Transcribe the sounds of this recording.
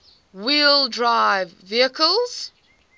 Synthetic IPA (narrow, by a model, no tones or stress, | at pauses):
wilˠdɹaɪvːiəkəlˠz̥